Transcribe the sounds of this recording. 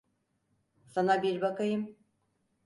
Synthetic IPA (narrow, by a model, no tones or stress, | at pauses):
sanabiɾbakajɯm